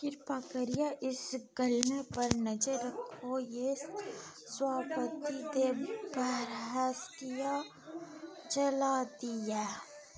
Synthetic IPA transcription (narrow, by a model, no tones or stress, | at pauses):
kɪɾpakəɾijaʔɪsɡɐlnepɐɾnɐd͡ʒəɾəkʰoje | swaːpət̪id̪ebɛɦɾɦɛskija | t͡ʃɐlad̪iɛː